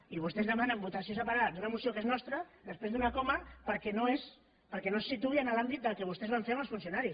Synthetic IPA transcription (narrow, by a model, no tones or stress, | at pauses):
iβ̞ust̪ezðəmanəmbut̪ɐsios̬əpaɾad̪unəmusiokeznɔst̪ɾəd̪əspɾezðunɐkɔmapəɾkɛnoes | pəɾkɛnossit̪uiənəlambit̪̚d̪əlˠkəβust̪ezβaɱfeɾməlˠsfunsjunaɾis